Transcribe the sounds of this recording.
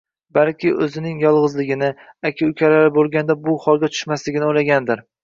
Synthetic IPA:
balˠkʲʰɪʔɵzɪnɪŋjɒlˠʁɨzlɪɡʲɪnɪakʲʰɪʊkʲʰalaɾɪbolˠɡʲand̪abʊhɒlˠɡʲat̪ʰʊ̥ʃmaslɪɡʲɪnɪojlaɡʲand̪ɪɾ

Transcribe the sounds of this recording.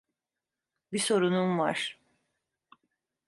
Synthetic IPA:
biso̞ɾununva̰ɾ̥

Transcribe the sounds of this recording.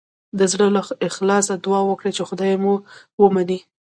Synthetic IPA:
d̪əzɽəlaɪxlɑsad̪ʊɑwəkɽet͡ʃexʊd̪ɑjmu | wəmani

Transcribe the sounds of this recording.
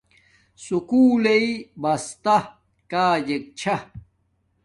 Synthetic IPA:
sukuːleibɐst̪a | kaːd͡ʑek̚t͡ɕʰa

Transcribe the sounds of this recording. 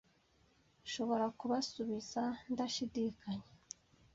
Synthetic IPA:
ʃo̞βo̞ɾakuβasuβizandaʃidiːkaɲe

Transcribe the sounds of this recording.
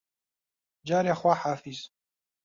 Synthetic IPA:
d͡ʒaːɾjaχwaħaːfiz

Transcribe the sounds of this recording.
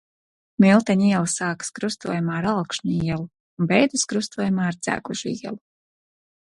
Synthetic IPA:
milˠt̪aɲiɛlˠasaːkɨ̥skɾust̪ṵɔjamaːɾalˠkʃɲiɛlˠu | unbɛjd̪ɨskɾust̪uɔjamaːaɾt̪zæ̰ːɡuʒuḭɛlˠu

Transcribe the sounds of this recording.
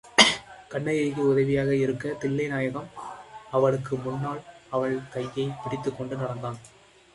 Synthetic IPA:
kɐɳːɐjɐːɣɯʊðɐʋɪjaːɣɐɪɾɯkːɐt̪ɪlːɐɪnaːjɐɣɐmɐʋɐɭɯkːɯmʊnːaːlɐʋɐɭkɐjːɐɪpɪɽɪt̪ːɯkːɔɳɖɯnɐɽɐnd̪aːn

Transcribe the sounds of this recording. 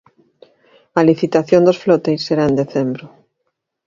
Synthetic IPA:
aliθit̪aθjond̪osflot̪ejsːeɾaend̪eθembɾo

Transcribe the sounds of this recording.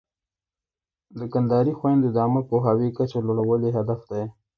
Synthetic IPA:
d̪əkand̪ɑɾixwajnd̪ɪd̪ɑmapoɦɑwikat͡ʃeloɽawəleɦad̪afd̪aj

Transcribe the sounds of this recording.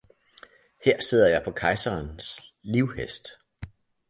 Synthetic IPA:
heɐ̰se̝ð̞̰ˠɐjɑ̈ɪpʰɒ̽kʰɑ̈ɪsɐːnsliʊhesd̥

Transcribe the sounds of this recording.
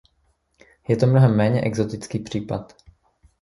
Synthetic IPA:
jɛt̪omnoɦɛmːɛːɲɛʔɛɡzot̪ɪt͡skiːpr̝̥iːpat̪

